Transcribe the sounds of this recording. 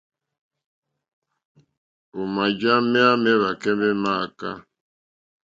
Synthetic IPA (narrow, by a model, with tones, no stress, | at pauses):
ʊ˨ma˨d͡ʒa˦mɪ˦a˦mɪ˦ɾa˨ke˦nɪ˦na˦˨a˨ka̰˦